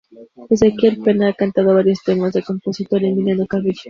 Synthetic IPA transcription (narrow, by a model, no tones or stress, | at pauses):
ezekieɾpenaaːkant̪aðoβaɾjo̞st̪emazðeko̞mposit̪oɾenmiljanokaβiʎ